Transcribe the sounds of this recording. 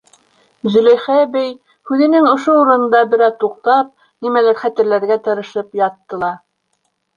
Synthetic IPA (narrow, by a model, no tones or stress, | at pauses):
zɵ̆læjχæbæj | hʉðɘ̆nɘŋŏʃouɾɤ̆nɤ̆nd̪ɑbɘ̆ɾæt̪uq̚t̪ɑp̚ | nimælæɾχæt̪ɘ̆ɾlæɾɡæt̪ɤ̆ɾɤ̆ʃɤpjɑt̪ːɤ̆lˠɑ